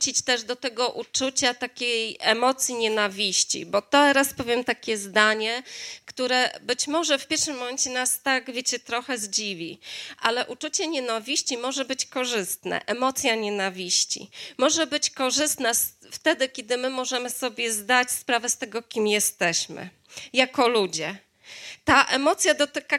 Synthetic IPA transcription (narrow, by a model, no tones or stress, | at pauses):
t͡ɕit͡ɕt̪ɛʐd̪ɔt̪ɛɡɔʔut͡ʂut͡ɕat̪akʲejɛmɔt̪sʲjiɲɛnavʲiɕt͡ɕḭbɔt̪ɛɾaspɔvʲjɛmt̪akʲɛzd̪aɲɛkt̪uɾɛbɘt͡ɕmɔʐɛfpʲjɛɾʂɘmːɔmɛnt͡ɕɛnast̪aɡvʲjet͡ɕɛt̪ɾɔxɛzd͡ʑivʲḭʔalɛʔut͡ʂut͡ɕɛɲɛnavʲiɕt͡ɕimɔʐɛbɘt͡ɕkɔʐɘst̪nɛ̰ʔɛmɔt̪sʲjaɲɛnavʲiɕt͡ɕḭmɔʐɛbɘt͡ɕkɔʐɘst̪nɛsft̪ɛd̪ɘkʲɛd̪ɘmɘmɔʐɛmɘsɔbʲjɛzd̪at͡ɕspɾavɛst̪ɛɡɔkʲimjɛst̪ɛɕmɘ̰ | jakɔlud͡ʑɛ | t̪aʔɛmɔt̪sʲjad̪ɔt̪ɘka